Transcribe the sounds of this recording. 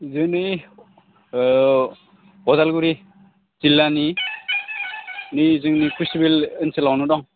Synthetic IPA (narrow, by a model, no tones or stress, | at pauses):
zɯŋnɯj | ɔdalɡuɾi | z̥ilːani | nizɯŋnikustibelɯnsɯlawnudɔŋ